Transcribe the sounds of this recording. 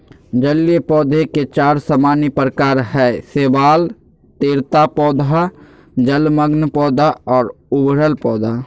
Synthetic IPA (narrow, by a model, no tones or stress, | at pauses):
d͡ʒəliepɔːd̪ʱeket͡ʃaːɾsəmaːnipɾəkaːɾɦɛːseːbaːl | t̪eːɾt̪apɔːd̪a | d͡ʒəlməɡnpɔːd̪ʱaɔːɾʊbɾəlpɔːd̪ʱa